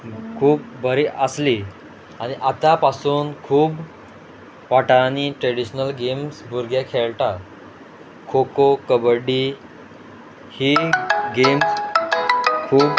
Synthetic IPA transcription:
kʰuːp̚bʱəɾiʔəsli | aɽ̃iʔat̪apasuːnkʰuːb | ʋaʈaniʈɾeɽiɕnəlɡemsbʱuɾɡjakʰeɭʈa | kʰokokəbəɖi | hiɡems | kʰuːb

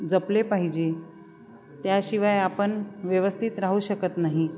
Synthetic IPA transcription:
d͡zəplepaɦid͡ʑe | t̪jaɕiʋajapənʋjəʋəst̪ʰit̪ɾaɦuːɕəkət̪naɦi

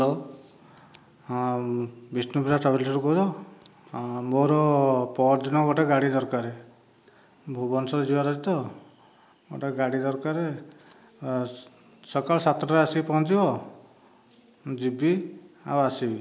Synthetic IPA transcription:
lo | bisnupiɾaʈɾabilʈɔɾukɔd̪ɔ | moɾɔpɔɾd̪inɔɡɔʈaɡaɽid̪ɔɾkaɾe | bʱubɔnsɔɾd͡ʒibaɾɔd͡ʒit̪ɔ | ɡo̰ʈaɡaɽid̪ɔɾkaɾe | sɔkalɔsat̪ɾɔɔasipɔɔ̃nt̪ibɔ | d͡ʒibia̰wasibi

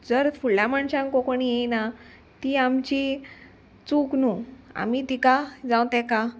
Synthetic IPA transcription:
d͡zəɾfuɭamaɳɕãŋkokoɳijejna | t̪iamt͡ɕi | t͡suknua̰mit̪ikad͡zãwt̪ɛ̃ka

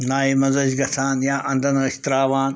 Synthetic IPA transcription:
naːimɐzɐd͡ʒɡɐt̪ʰaːnjaːʔɐ̃nd̪ɐnɐist̪ɾaːʋaːn

